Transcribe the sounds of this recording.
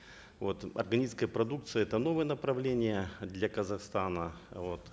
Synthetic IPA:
vo̞t̪ɐ̰rɡɐnʲit̪skəjəpɾɐd̪uk̚t̪sɨjəɛt̪əno̞vɨjənəpɾɐvlʲenʲɪjəd̪lʲɐkəzɐxst̪anəvot̪

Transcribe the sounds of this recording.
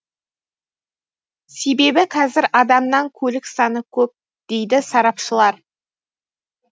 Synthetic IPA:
se̞be̞bɪqʰɑzɪɾʔɑd̪ɑmnɑŋkʲʰɵlɪksɑnəkʲʰɵp̚ | d̪̥e̞jd̪ɪsɑɾɑpʃəlˠɑɾ

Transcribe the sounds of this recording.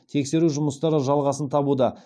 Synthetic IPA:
t̪ʰe̞kse̞ɾuʒʊməst̪ɑɾəʒɑlˠʁɑsənt̪ʰɑbud̪ɑ

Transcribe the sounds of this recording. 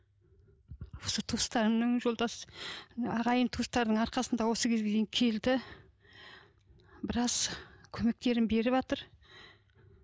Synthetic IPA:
wo̞sət̪ʰust̪ɑɾəmnəŋʒo̞lˠd̪ɑs | ɑʁɑjəmt̪ʰust̪ɑɾd̪əɴɑɾqɑsənd̪ɑwo̞səkʲʰe̞zɡʲee̞jiŋkʲʰe̞ld̪ɪ | bɪɾɑzkʲʰɵme̞k̚t̪e̞ɾɪnbe̞ɾɪβɑt̪əɾ

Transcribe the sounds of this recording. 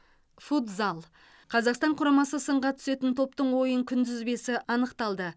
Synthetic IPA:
fut̪zɑlˠ | qʰɑzɑqst̪ɑɴqʰʊɾɑmɑsəsəɴʁɑt̪ʰʏ̥se̞t̪ɪnt̪ʰo̞p̚t̪əɴwo̞jəŋkʲʰʏnd̪ɪzbe̞sɪʔɑnəqt̪ɑlˠd̪ə

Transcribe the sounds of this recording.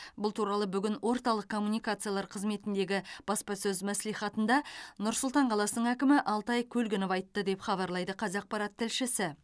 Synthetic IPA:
bʊlˠt̪ʰuɾɑlˠəbʏɡʲɪnwʔo̞ɾt̪ɑlˠəq̚kʰːo̞mːunijkat̪sɨjalˠɑɾqʰəzme̞t̪ɪnd̪e̞ɡʲɪb̥ɑspɑsɵzmæslijχɑt̪ənd̪ɑnʊɾsʊlˠt̪ɑɴqʰɑlˠɑsənəɴækʲɪmɪʔɑlˠt̪ɑjkʲʰɵlɡʲɪnɪpɑjt̪ːəd̪e̞pχɑbɑɾlˠɑjd̪əqʰɑzɑq̚pɑɾɑt̪ʰːɪlʃɪsɪ

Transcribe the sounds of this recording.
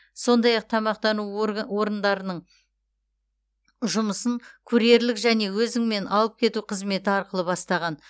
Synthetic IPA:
so̞nd̪ɑjɑq̚t̪ʰɑmɑq̚t̪ɑnuwo̞ɾənd̪ɑɾənəɴ | ʒʊməsənkʲʰɵɾe̞ɾlɪkʒæne̞wɵzɪŋme̞nʔɑlˠəp̚kʲʰe̞t̪uqʰəzme̞t̪ɪɑɾqəlˠəbɑst̪ɑʁɑn

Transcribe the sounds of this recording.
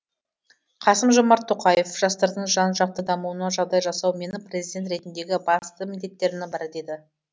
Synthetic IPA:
qʰɑsəmʒomɑɾt̪ʰːoqɑje̞fʒ̥ɑst̪ɑɾd̪əɴʒɑnʒɑq̚t̪əd̪ɑmuənɑʒɑʁd̪ɑjʒɑsɑwme̞nɪprʲezid̪ʲe̞nt̪ɾe̞t̪ɪnd̪e̞ɡʲɪbɑst̪əmɪnd̪e̞t̪ːe̞ɾɪnɪbɑɾd̪e̞d̪ɪ

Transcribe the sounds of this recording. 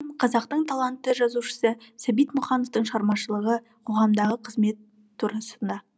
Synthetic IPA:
qʰɑzɑq̚t̪əɴt̪ʰɑlˠɑnt̪ːəʒɑzuʃə̥səsæbijt̪mʊχɑnoft̪əɴʃʁɑɾmɑʃəlˠəʁə | qʰo̞ʁɑmd̪ɑʁəqʰəzme̞t̪ʰː | uɾɑsənd̪ɑ

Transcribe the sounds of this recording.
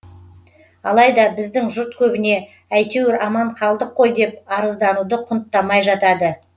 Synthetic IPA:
ɑlˠɑjd̪ɑbɪzd̪ɪŋʒʊɾt̪̚kʲʰɵbɪne̞ | æjt̪ewɪɾɑmɑɴχɑlˠd̪əqʰːo̞jd̪e̞pɑɾəzd̪ɑnud̪əqʰʊnt̪ːɑmɑjʒɑt̪ɑd̪ə

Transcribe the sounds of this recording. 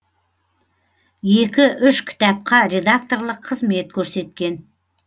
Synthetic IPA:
je̞kʲɪʔʏʃkʲʰɪ̥t̪ɑp̚qɑɾʲe̞d̪ak̚t̪o̞rlˠəqʰːəzme̞t̪̚kʲʰɵɾse̞t̪̚kʲe̞n

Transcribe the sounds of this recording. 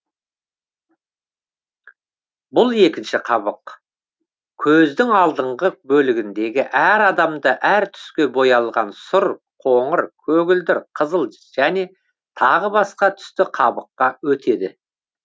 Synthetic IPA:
bʊlˠe̞kʲɪnʃɪqʰɑβəq | kʲʰɵzd̪ɪŋɑlˠd̪əɴʁəbɵlɪɡʲɪnd̪e̞ɡʲɪʔæɾɑd̪ɑmd̪əʔæɾt̪ʰʏ̥skʲe̞bo̞jɑlˠʁɑnsʊɾ | qʰoɴəɾkʲʰɵɡʲɪld̪ɪɾqʰəzəlˠ | ʒ̥æne̞ | t̪ʰɑʁəbɑsqɑt̪ʰʏ̥st̪ɪqʰɑbəqːɑwɵt̪ʰe̞d̪ɪ

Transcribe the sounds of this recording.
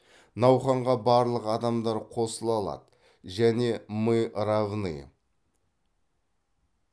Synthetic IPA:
nɑwχɑɴʁɑbɑɾlˠəqɑd̪ɑmd̪ɑɾqʰo̞səlˠɑlˠɑ̰d̪ə | ʒæne̞mɨɾavnɨ̰j

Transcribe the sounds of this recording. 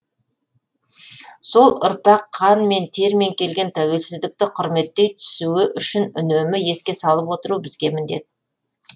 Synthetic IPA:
so̞lˠʊ̰ɾpɑqʰːɑnme̞nt̪ʰe̞ɾmeŋkʲe̞lɡʲe̞nt̪ʰæwe̞lsɪzd̪ɪk̚t̪ɪqʰʊɾme̞t̪ːe̞jt̪ʰʏ̥suɪʔʏʃɪnʏnemɪje̞skʲe̞sɑlˠəpwo̞t̪əɾubɪzɡʲe̞mɪnd̪e̞d̪ɪ

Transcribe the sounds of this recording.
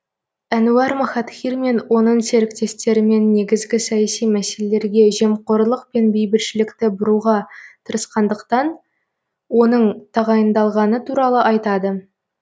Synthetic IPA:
ænuɑɾmɑχɑt̪χʲiɾme̞nwo̞nəɴse̞ɾɪkt̪e̞st̪e̞ɾɪme̞nːe̞ɡʲɪzɡʲɪsɑjæsijmæse̞lele̞ɾɡʲe̞ʒe̞mqoɾlˠəq̚pe̞nbejbɪlʃɪlɪkt̪ɪbʊɾuʁɑt̪ʰəɾəsqɑnd̪əqt̪ɑn | wo̞nəɴt̪ʰɑʁɑjənd̪ɑlˠʁɑnət̪ʰuɾɑlˠəʔɑjt̪ɑd̪ə

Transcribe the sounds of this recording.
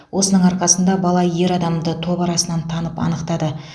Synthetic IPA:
wʔo̞sənəɴɑɾqɑsənd̪ɑbɑlˠɑje̞ɾɑd̪ɑmd̪ət̪ʰo̞pɑɾɑsənɑnt̪ʰɑnəpɑ̰nəqt̪ɑd̪ə

